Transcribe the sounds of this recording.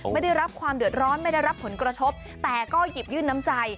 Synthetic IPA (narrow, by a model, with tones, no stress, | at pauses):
ma˥˩jda˥˩jɾa˦˥p̚kʰwaː˧mdɯ˨˩ət̪̚ɾɔː˦˥nma˥˩jda˥˩jɾa˦˥pʰːo˩˦nkɾa˧t̪ʰo˦˥p̚ | t̪ɛː˨˩kɔː˥˩ji˨˩p̚jɯː˥˩nːa˦˥mt͡ɕa˧j